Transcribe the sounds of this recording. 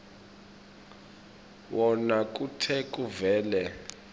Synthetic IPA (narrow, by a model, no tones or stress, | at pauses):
wɔnak̬ʼutʰɛk̬ʼuvɛːlɛ